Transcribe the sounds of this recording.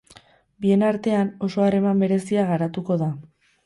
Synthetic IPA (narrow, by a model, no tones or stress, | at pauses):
bie̞naɾt̪e̞ano̞so̞are̞mambe̞ɾe̞siaɣaɾat̪uko̞ða